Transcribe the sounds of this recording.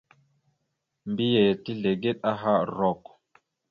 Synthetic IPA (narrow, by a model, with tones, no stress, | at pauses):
mbi˦je˨ti˦ɮe˨ɡe˦t̚a˦ɦa˦ɾɔ˨k